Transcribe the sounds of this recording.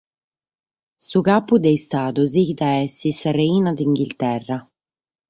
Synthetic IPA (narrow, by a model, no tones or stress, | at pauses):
sukaːpud̪ɛjst̪aːd̪uziid̪aɛsisareiːnad̪iŋɡilt̪ɛrːa